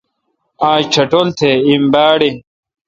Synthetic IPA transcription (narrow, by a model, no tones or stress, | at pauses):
aːɕt͡ɕʰɐʈolt̪ʰeimbaːɽi